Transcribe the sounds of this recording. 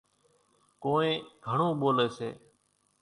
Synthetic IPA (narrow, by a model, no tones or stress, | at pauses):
koːẽːɡʱəɳõːɓoːleːsḛː